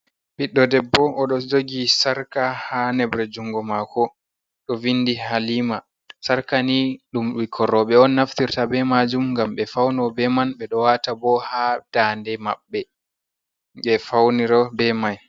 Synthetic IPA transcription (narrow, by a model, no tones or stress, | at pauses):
ɓiɗːɔdɛbːɔʔːɗɔd͡ʒoɡisaɾkahanɛbɾɛd͡ʒuŋɡɔmakɔ | ɗɔvindihaliːma | saɾkaniɗumwikʰɔɾɔɓɛɔnːaftiɾtabɛmad͡ʒumŋɡamɓɛfawnɔbɛmanɓɛɗɔwatabɔhad̥aːndɛma̰ɓːɛ | ɓɛfawniɾɔbɛmaj